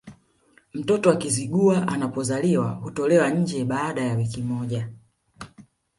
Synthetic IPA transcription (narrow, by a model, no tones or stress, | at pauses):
m̩tɔtɔakiziɡuaʔa̰napɔzaliwahutɔlɛwaɲ̩d͡ʒɛɓaːɗajawikimɔʄa